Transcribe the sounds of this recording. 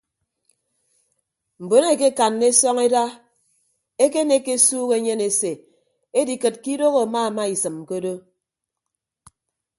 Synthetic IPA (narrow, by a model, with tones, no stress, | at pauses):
m̩˨bo˨˦ne˦˨ke˦ka˨nːe˦sɔ˦ŋe˦da˦ | e˦ke˦ne˦kːe˦suː˦ɣe˨˦ɲe˦ne˨se˨ | e˦di˨kɨ˨t̚ki˦do˦ɣo˨a˨ma˦˨ma˦i˨sɨ˨mko˦do˦